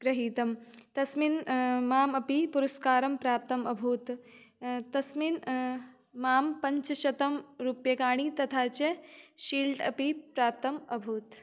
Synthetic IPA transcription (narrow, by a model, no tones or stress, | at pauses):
ɡɾɐɦiːt̪ɐmt̪ɐsminmaːmɐpipuɾɐskaːɾɐmpɾaːp̚t̪ɐmɐbʱuːt̪ | t̪ɐsmin | maːmpɐɲt͡ʃɐʃɐt̪ɐmɾuːpjɐkaːɽ̃it̪ɐt̪ʰaːt͡ʃeʃiːlʈɐ̰pipɾaːp̚t̪ɐmɐbʱuːt̪